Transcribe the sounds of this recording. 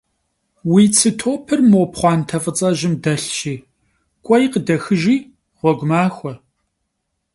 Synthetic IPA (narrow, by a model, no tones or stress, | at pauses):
wiːt͡sʰɨtʰoːpʰɨrmopχʷɑːntʰɐfʼət͡sʼɐʒɪmdɐɬʃiː | kʷʼɔjqədɐxɨʒiː | ʁʷɔɡʷʊmaːxʷɔ